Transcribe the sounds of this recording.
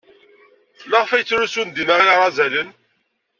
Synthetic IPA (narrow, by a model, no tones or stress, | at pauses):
ləʁfæjət͡sːɾusund̪inəʁiʁæzælən